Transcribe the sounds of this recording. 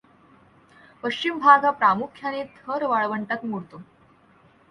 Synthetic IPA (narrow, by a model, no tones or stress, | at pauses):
pəɕt͡ɕimbʱaɡapɾamukʰjanet̪ʰəɾʋaɭʋəɳʈat̪muɭt̪o